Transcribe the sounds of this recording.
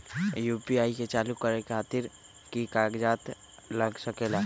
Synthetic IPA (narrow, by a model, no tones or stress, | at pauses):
juːpiaːiket͡ʃaːlukəɾekʰaːt̪ɪɾ | kikaɡd͡ʒaːt̪ | ləɡsəkela